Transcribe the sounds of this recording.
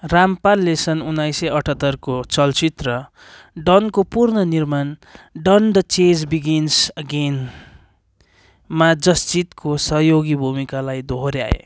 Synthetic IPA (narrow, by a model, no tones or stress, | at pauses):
rampalːesʌnunːajsʌʌʈʰʌt̪ːʌrkot͡sʌlt͡sit̪rʌ | ɖʌnkopurnʌnirmanɖʌnd̪ʌt͡sed͡zbiɡinsʌɡen | mad͡zʌst͡sit̪kosʌɦjoɡibʱumikalajd̪ʱoɦɾja̰ḛ